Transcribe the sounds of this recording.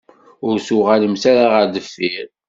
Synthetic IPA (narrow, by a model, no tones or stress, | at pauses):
ʊɾsʊʁaləmsaɾaʁəɾd̪əfːiɾ